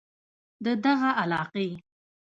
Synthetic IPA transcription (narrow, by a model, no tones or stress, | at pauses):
d̪əd̪aɣaʔalɑqe